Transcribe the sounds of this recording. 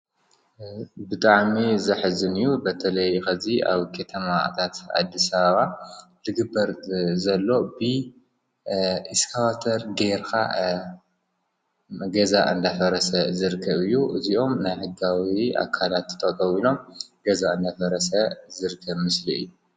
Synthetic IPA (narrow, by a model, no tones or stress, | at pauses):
bɨt̪ʼaʕmizɐħzɨnɨjːubɐt̪ʰɐlɐjxɐziʔa̰βkʰɐt̪ʰɐmaʔt̪ʰat̪ʕa̰d̪ːisaβɐβalɨɡɨbːɐɾzɐlːo̞bɨ | ʔiskʰawat̪ʰɐɾɡeɾkʰa̰ | ɡɐzaʔɨ̰nd̪afɐɾɐsɐzɨɾɨkʰːɐβɨjːuʔɨziʔo̞mnajħɨɡawia̰kʰːalat̪ːt̪ʼɐt̪ʼɐwilo̞mɡ̥ɐzaɨnd̪afɐɾɐsɐzɨɾkʰːɐβmɨsliɨ̰jːu